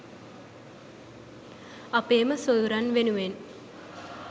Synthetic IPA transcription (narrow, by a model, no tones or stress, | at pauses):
ɐpeːməsoðuɾɐnʋenuʋen